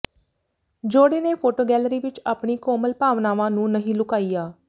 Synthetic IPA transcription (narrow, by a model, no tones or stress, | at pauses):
d͡ʒoːɽeːneːpʰoːʈoːɡɛːlɾiːʋɪt͡ʃaːpɳiːkoːməlpaːʋnaːʋãːnũːnəɦĩːlʊkaːiːjaː